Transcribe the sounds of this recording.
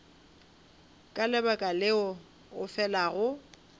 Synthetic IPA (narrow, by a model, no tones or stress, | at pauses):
kʼalɛbakʼalɪʊ | ʊfɛlaɣʊ